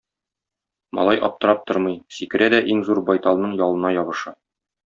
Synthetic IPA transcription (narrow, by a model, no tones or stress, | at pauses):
mɒ̰lˠɑjʔɒ̰p̚t̪ɤ̆ɾɑp̚t̪oɾmɤjsikɘ̆ɾæd̪æʔiŋzuɾbɒjt̪ɑlˠnɤɴjɒlˠɤ̆nɑjɒβɤ̆ʃɑ